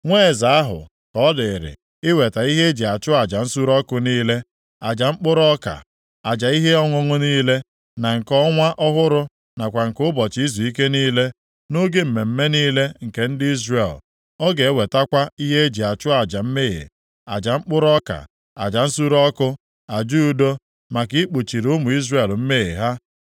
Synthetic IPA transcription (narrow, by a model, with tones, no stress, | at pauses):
ŋʷeː˦˨za˨a˦ɦʊ̰˨ | kɔ˦dɪ˨ɾɪ̰˨ | ɪ˦we˨ta˨i˦ɦe˦e˦d͡ʒi˨a˨t͡ʃʊ˦a˨d͡ʒa˨n̩˦su˦ɾɔ˦kʊ˦niː˦le˦ | a˨d͡ʒa˨ŋ͡m̩˦k͡pʊ˦ɾɔ˦ka̰˨ | a˨d͡ʒa˨i˦ɦe˦ɔ˦ŋʷʊ˦ŋʊ˦niː˦le˦ | na˨ŋ̩˨kɔ˦ŋʷa˦ʔɔ˦ɦʊ˦ɾʊ˦ | na˨kʷa˨ŋ̩˨kʊ˦bɔ˨t͡ʃi˦i˦zu˨i˦ke˦niː˦le˦ | no˦ɡe˦m̩˨me˨m̩˦me˦niː˦le˦ŋ̩˨ke˦n̩˦dɪ˦i˦zre˨l | ɔ˦ɡe˨e˦we˨ta˦kʷa˦i˦ɦe˦e˦d͡ʒi˨a˨t͡ʃʊ˦a˨d͡ʒa˨m̩˦me˦˨ɣḛ˨ | a˨d͡ʒa˨ŋ͡m̩˦k͡pʊ˦ɾɔ˦ka̰˨ | a̰˨d͡ʒa˨n̩˦su˦ɾɔ˦kʊ˦ | a˨d͡ʒu˦u˦do˦ | ma˨ki˦k͡pu˨t͡ʃi˨ɾʊ˦mʊ˨i˦zre˨lm̩˦me˦ḛ˨ɦa˦